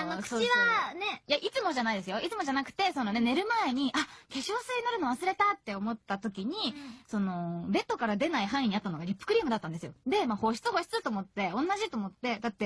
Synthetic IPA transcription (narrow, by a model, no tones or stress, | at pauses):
anokɯ̥t͡ɕiβane̞jaʔit͡sɨmo̞ʑanaid̪e̞sɨjo̞it͡sɨmo̞ʑanakɯ̟̥t̪e̞so̞no̞ne̞ne̞ɾɯ̟mae̞ɲ̟iʔake̞ɕoːsɨɲinoɾɯ̟noβasɨɾe̞t̪at̪ːe̞o̞mo̞t̪ːat̪o̞kʲiɲ̟iso̞no̞be̞t̪ːo̞kaɾad̪e̞naiɦãɰ̃ĩɲ̟iat̪ːanoɡaɾʲipːɯ̥kɯ̟ɾʲiːmɯ̟d̪at̪ːãnd̪esɨjo̞d̪e̞maho̞ɕi̥t͡sɨɦo̞ːɕi̥t͡sɨt̪oːmo̞t̪ːe̞õ̞nːaʑit̪o̞ːmo̞t̪ːe̞d̪at̪ːe̞